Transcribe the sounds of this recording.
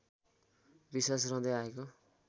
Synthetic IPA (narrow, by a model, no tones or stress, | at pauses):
bisasrʌ̃d̪ʌjaeko